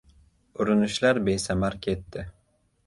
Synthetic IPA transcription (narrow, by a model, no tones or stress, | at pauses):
ʊɾynyʃlaɾbejsamaɾkʲʰet̪ʰːɪ